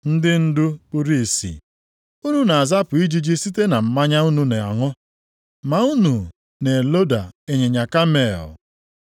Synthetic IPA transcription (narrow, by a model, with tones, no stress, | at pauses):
n̩˦dɪ˦n̩˦dʊ˦k͡pʊ˦ɾi˦˨sḭ˨ | u˦nu˦na˨a˨za˦pʊ˨i˦d͡ʒi˦d͡ʒi˦si˦te˦na˨m̩˦ma˦ɲa˦u˦nu˦ne˨a̰˨ŋʊ˦ | ma˨u˦nu˨ | ne˨lo˦da˨e˨ɲe˨ɲa˨ka˦me˨ʊ̰˨